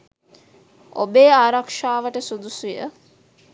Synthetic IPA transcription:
o̰beːaːɾakʂaːʋəʈəsud̪usujə̰

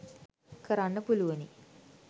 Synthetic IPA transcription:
kʰəɾanːəpuluʋəni

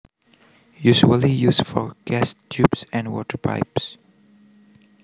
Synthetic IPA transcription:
juʒuəlijuːsfɔɹɡ̥æstʰjʉbsɛ̃ndwɔ̰tə˞pʰa̰ɪps

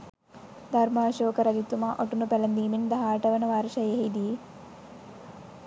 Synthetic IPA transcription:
d̪ʱɐɾmaːɕoːkɐɾɐd͡ʒit̪ːumaʔoʈunupelɐnd̪iːmind̪ɐɦaːʈɐʋɐnɐʋaːɾɐʃɐjɐɦid̪iji

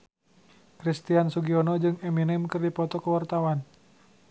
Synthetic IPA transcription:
kɾist̪iansuɡiɔnɔd͡ʒɨŋɛminɛmkɨrdipɔt̪ɔkəwart̪awan

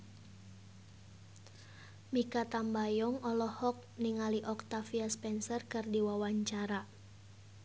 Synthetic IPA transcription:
mikat̪ambajɔŋɔlɔhɔk̚niŋaliʔɔk̚t̪afiaspɛnsərkɨrdiwawaɲt͡ʃaɾa

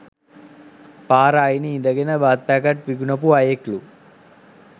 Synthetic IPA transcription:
paːɾaːjiniind̪ɐɡɐnɐbaːt̪̚paːkɐʈ̚ʋiɡunɐp̬uɐjeklu

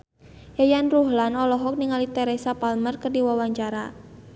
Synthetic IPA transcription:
jajanruhlanɔlɔɦɔk̚niŋalit̪ɛɾesapalmərkərdiwawaɲt͡ʃaɾa

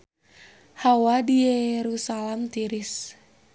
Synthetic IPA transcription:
hawadijɛɾusalamt̪iɾis

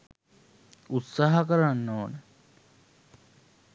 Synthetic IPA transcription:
ut̪saɦakəɾanːonə

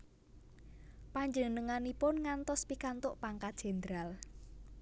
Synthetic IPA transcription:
paɲd͡ʒənəŋanipʊnŋant̪ɔspikant̪ʊʔpaŋkḁʒ̥e̤nd̪ɾal

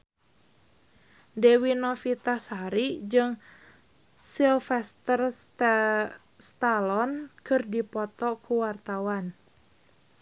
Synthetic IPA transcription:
dewinɔfit̪asaɾid͡ʒɨŋ | silfɛst̪ər | st̪alɔnkɨrdipɔt̪ɔkuwart̪awan

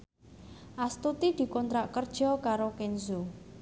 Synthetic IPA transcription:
ʔast̪ut̪id̪̥i̤kɔnt̪ɾaʔkərd̥ʒ̥ɔ̤kaɾokenzu

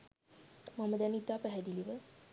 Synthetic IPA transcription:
maməd̪ɛnid̪aːpæɦɛd̪iliʋə

